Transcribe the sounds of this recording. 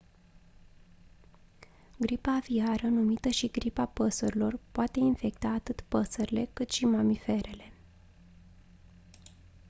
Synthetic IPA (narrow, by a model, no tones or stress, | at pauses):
ɡɾipaviaɾənumit̪əʃiɡɾipapəsuɾilo̞rpoat̪e̞infe̞k̚t̪aːt̪ɨt̪pəsəɾile̞kɨt̪ʃimamife̞ɾe̞le̞